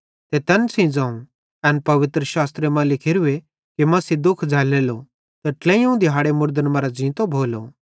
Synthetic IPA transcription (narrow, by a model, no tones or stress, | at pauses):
t̪et̪ɛnsĩd͡zãːũ | ɛnpɐʋɪt̪ɾəʃaːst̪ɾemãlɪkʰɪɾʊe | kimɐsid̪ʊkʰd͡zʱɛːleːlo | t̪ɐʈlɛ̃ːjũd̪ɪɦaːɽemʊɾd̪ənmɐɾad͡zĩːt̪obʱoːlo